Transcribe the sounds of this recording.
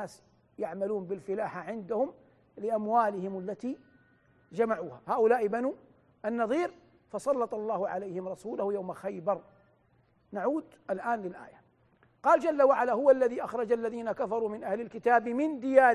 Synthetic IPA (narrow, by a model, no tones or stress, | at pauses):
aːs | jaʕmaluːnbɪlfɪlaːħaʕɪnd̪ahʊm | lɪʔamwaːlɪhɪmalːat̪iː | d͡ʒamaʕuːhahaːʔʊlaːʔɪbanuː | ʔanːɑðˤiːɾ | fɑsˤɑlːɑt̪ˤɑlˤːɑːhʊʕa̰lajhɪmɾˤɑsuːlʊhjawmaxajbɑɾˤ | naʕuːd̪ʔalʔaːnlɪlʔa̰ːja | qɑːld͡ʒalːawaʕalaɦʊwalːaðiʔaxɾˤɑd͡ʒalːaðiːnakafɑɾˤuːmɪnʔahlɪlkɪt̪aːbmɪnd̪ɪjaː